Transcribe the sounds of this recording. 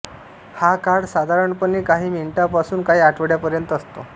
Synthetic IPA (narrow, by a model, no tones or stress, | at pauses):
hakaɾɖsad̪ʱaɾəɳpəɳːiːkaɦiːmiɳʈapasuːnkaɦiːaʈʰʋəɽjapəɾjənt̪əst̪o